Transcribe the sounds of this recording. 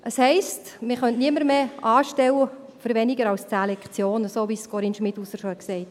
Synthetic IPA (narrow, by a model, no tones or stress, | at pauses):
ʔəshɛɪstmɪχœntniəməɾmeːʔɑːʃtɛwə | fəɾʋɛnɪɡəɾɑlst͡sɛlɛkt͡sjoːnəsoːʋiskɔɾinʃmɪtusəʃoɛksɛɪt